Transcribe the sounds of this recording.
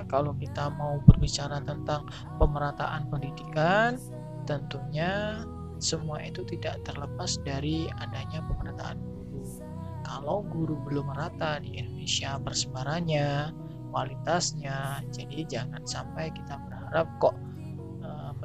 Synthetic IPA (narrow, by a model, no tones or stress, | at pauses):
kalawkit̪amaubərbit͡ʃaɾat̪ənt̪aŋ | pəməɾat̪aʔanpəndidikan | t̪ənt̪uɲa | səmuaʔit̪ut̪ida̰ʔt̪ərləpasdaɾiadaɲapəməɾat̪a̰a̰nɡuɾu | kalawɡuɾubəlʊməɾat̪adiindonesiabərsəbaɾaɲa | kwalit̪asɲad͡ʒadid͡ʒaŋansampajkit̪abərhaɾap̚kɔʔ | ə